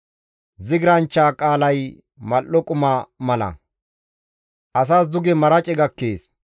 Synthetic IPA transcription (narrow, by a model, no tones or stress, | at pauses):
zɪɡɪɾɐnt͡ʃːaːkʼaːlɐj | mɐlːɔkʼʊmamɐlɐ̰ | ʔɐsaːsd̪ʊɡɛmɐɾɐt͡ʃʼɛɡɐkːeːs